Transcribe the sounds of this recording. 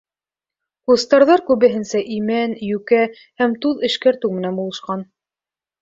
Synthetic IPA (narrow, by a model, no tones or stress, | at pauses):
kust̪ɑɾðɑɾkʉβɘ̆ɦɘ̆nsæʔimænjʉkæ | hæmt̪uðɘ̆ʃkæɾt̪ɘwmɘ̆nænbulˠɤ̆ʃqɑn